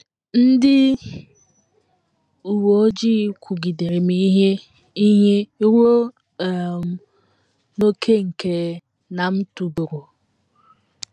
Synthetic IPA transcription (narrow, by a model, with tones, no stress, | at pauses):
n̩˦dɪ˦ | u˨wo˨o˦d͡ʒi˦kʷʰu˨ɡi˨de˨ɾe˨mi˦ɦe˦ | i˦ɦe˦ɾo˦˨ | m˨ | no˦kʰe˦ŋ̩˨ke˨ | na˨m̩˦tu˨bu˨ɾo˨